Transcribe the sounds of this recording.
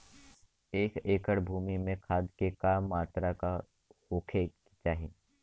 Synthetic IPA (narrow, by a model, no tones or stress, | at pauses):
eːkeːkəɽbʱuːmimẽkʰaːd̪kekaːmːaːt̪ɾaka | hoːkʰe | t͡ʃaːɦi